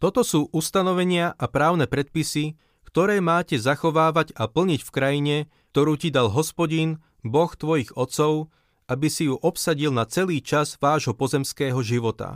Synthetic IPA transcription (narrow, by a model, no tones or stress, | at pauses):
t̪ɔt̪ɔsuːʔust̪anɔʋɛɲɪaʔapɾaːʊnɛpɾɛt̪̚pisi | kt̪ɔɾɛːmaːcɛzaxɔʋaːʋaɟapl̩ɲicfkɾajiɲɛ | k̚t̪ɔɾuːcid̪alɦɔspɔɟin | bɔxt̪ʋɔjiɣɔt̪t͡sɔʊ | ʔabisijuʔɔpsaɟilnat͡sɛliːt͡ʃazʋaːʒɦɔpɔzɛmskɛːɦɔʒiʋɔt̪a̰